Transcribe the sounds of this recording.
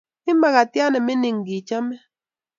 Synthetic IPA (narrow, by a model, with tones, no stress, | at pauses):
i˦ma˨ɣa˨tja˦ne˨mi˦ni˨ŋ̩˨ɡi˨t͡ʃa˦me˦